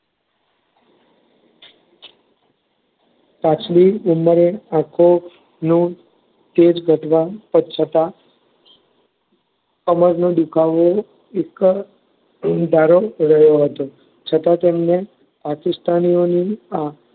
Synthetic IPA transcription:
t̪at͡ʃliuməɾeãkʰo | nũ | t̪ed͡ʒɡʱəʈʰʋapət͡ʃʰət̪a | kəməɾnod̪ukʰaʋo | ek | d̪ʱaɾoɾəɦjoɦət̪o | t͡ʃʰət̪ãt̪emne | pakɪst̪anionia

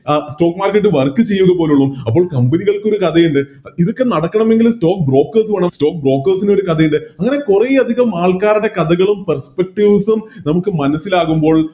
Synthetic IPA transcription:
sʈo̞ːkmaːrkːɐʈːɨʋɐrkːɨt͡ɕe̞jːuɣɐpo̞ːluɭːumɐp̬ːo̞ːɭkɐmbɐniɣɐɭko̞ɾukɐðɐjuɳɖɨ | iðokːe̞nɐɽɐkːɐɳɐme̞ŋɡilsto̞ːk̚bro̞ːkːɐrsʋɐɳɐmsto̞ːk̚bro̞ːkːɐrsino̞ɾukɐðʰɐjuɳɖɨɐŋːɐne̞kurejɐd̪ʱiɣɐmaːɭkaːɾɐɽe̞kɐðɐɣɐɭumpɐrspek̚ʈiʋsumnɐmukːɨmɐnɐsːilaːɣumbo̞ːɭ

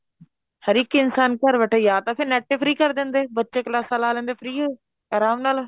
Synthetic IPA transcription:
həɾiːkiːɪnsaːnkəɾʋəʈʰəjaːt̪ãːpʰɪɾnɛːʈːeːpʰɾiːkəɾd̪ɪ̃ːnd̪eːbətːʃeːklaːsaːlaːlɛ̃ːnd̪eːpʰɾiːɦoː | aːɾaːmnaːl

